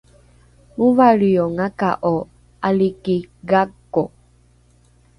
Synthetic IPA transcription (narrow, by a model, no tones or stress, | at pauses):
mũvaɾioŋakaʔo | alikiɡakːo